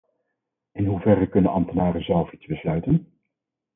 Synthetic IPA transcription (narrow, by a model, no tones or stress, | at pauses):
ɪnɦuvɛrəkɵnənɑmtənaːrəzɛlˠfitsbəslœɥtən